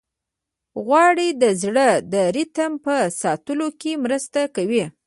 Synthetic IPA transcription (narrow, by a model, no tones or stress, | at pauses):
ɣwɑɽid̪əzɽəd̪əɾɪt̪əmpəsɑt̪əlokemɾəst̪akawi